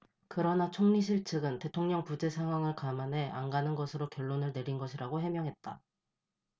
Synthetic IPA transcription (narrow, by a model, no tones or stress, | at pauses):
kɯɾʌnat͡ɕʰoŋɲiɕ̬ʰiɭt͡ɕʰɯɡɯnte̞tʰoŋɲʌŋpud͡ʑe̞sʰaŋɦwaŋɯɭkamanɦe̞ʔaŋɡanɯnɡʌsʰɯɾokjʌɭːonɯɭne̞ɾinɡʌɕʰiɾaɡoɦe̞mjʌŋɦe̞t̚t͈a̰